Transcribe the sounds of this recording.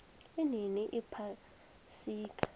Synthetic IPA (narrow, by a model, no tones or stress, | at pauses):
ininiʔipʰa | siːkʰʼḁ